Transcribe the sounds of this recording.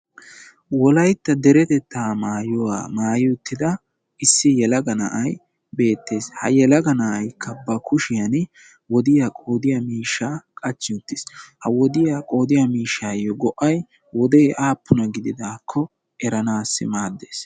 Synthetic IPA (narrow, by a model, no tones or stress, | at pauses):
wɔlɐjt̪ːɐd̪ɛɾɛt̪ɛt̪ʰːaːmaːjɔwa̰ːmaːjɪʊt̪ːɪd̪ɐ | ɪsːɪjɛlɐɡɐnɐ̰ʔɐj | be̞ːt̪ːe̞ːshɐjɛlɐɡɐnɐʔːjkʰːɐbɐkʊʃɪjɐn | wɔd̪ɪjakʼoːd̪ɪjɐmiːʃːaːkʼɐt͡ʃːɪʊt̪ːɪshɐwɔd̪ɪjaːkʼo̞ːd̪ɪjamiːʃːaːjɔɡɔʔɐj | wɔd̪ejʔaːpːʊnɐɡɪd̪ɪd̪aːkʰːɔ | ʔɛɾɐnaːsːɪ̰maːd̪ːeːs